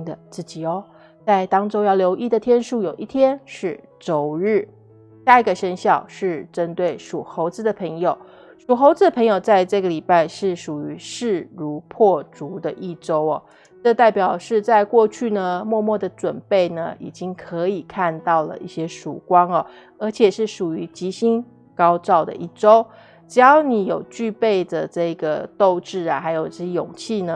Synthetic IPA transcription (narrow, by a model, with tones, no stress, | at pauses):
d̪ə˨t͡sɹ̩˥˩t͡ɕi˨˩ɔ˥˩ | t͡sa˥˩ɪt̪ɑ˥ŋʈ͡ʂo˥ʊjɑ˥˩ʊljo˧˥ʊʔi˥˩d̪ə˨t̪ʰjɛ˥nʂu˥˩jo˨˩ʊʔi˥˩t̪ʰjɛ˥nʂɻ̩˥˩ | t͡so˨˩ʊɻɻ̩˥˩ | ɕja˥˩i˧˥ɡə˧ʂə˥nɕjɑ˥˧ʊʂɻ̩˥˩ʈ͡ʂə˥nt̪we˥˩ɪʂu˨˩xo˧˥ʊt͡sɹ̩˥d̪ə˨pʰə˧˥ŋjo˨˩ʊ | ʂu˨˩xo˧˥ʊt͡sɹ̩˧˥ə˧˩pʰɤ˧˥ŋjo˨˩ʊt͡sa˥˧ɪʈ͡ʂɤ˥˩ɡə˩li˨˩pa˥˧ɪʂɻ̩˥˩ʂu˨˩y˧˥ʂɻ̩˥˩ɻu˧˥pʰwɔ˥˩ʈ͡ʂu˧˥d̪ə˧ʔi˥˩ʈ͡ʂo˥ʊɔ˨ | ʈ͡ʂɤ˥˧t̪a˥˩ɪpjɑ˨˩ʊʂɻ̩˥˧t͡sa˥˧ɪkwɔ˥˧t͡ɕʰy˥˩nə˩mwɔ˥˧mwɔ˥˩d̪ə˩ʈ͡ʂwə˨˩npe˥˩ɪnə̰˩ḭ˨˩t͡ɕi˦˥ŋkʰə˧˥i˨˩kʰa˥˧nt̪ɑ˥˩ʊlə̰˩ʔi˥˩ɕjɛ˥ʂṵ˨˩kwɑ˥ŋɐ˨˩ | ə˞˧˥t͡ɕʰjɛ˨˩ʂɻ̩˥˩ʂu˨˩y˧˥t͡ɕi˧˥ɕi˥n | kɑ˥ʊʈ͡ʂɑ˥˩ʊd̪ə̰˩ʔi˥˩ʈ͡ʂo˥ʊ | ʈ͡ʂɻ̩˨˧jɑ˧˥ʊni˧˥jo˨˩ʊt͡ɕy˥˧pe˥˩ɪd̪ə˩ʈ͡ʂɤ˥˩˦ɡə˩t̪o˥˧ʊʈ͡ʂɻ̩˥˩a̰˩xa˧˥ɪjo˨˩ʊʈ͡ʂɤ˥˩ɕɛ˥jʊ̰˨˩ŋt͡ɕʰi˥˩nə˩